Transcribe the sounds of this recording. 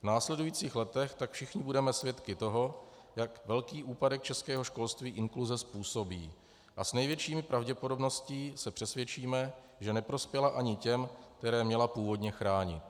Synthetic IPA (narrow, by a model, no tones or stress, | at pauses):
vnaːslɛdujiːt͡siːxlɛt̪ɛxt̪akfʃɪxɲɪbudɛmɛsvjɛt̪kɪt̪o̞ɦo̞ | jakvɛlkiːʔuːpadɛk̚t͡ʃɛskɛːɦo̞ʃko̞lst̪viːʔɪŋkluzɛspuːso̞bḭː | ʔasnɛjvjɛt͡ʃiːmɪpɾʔavɟɛpodo̞bno̞scɪsɛpr̥ɛsvjɛt͡ʃiːmɛ | ʒɛnɛpɾo̞spjɛlaʔaɲɪcɛmk̚t̪ɛɾɛːmɲɛlapuːvo̞dɲɛxɾaːɲɪ̰t̪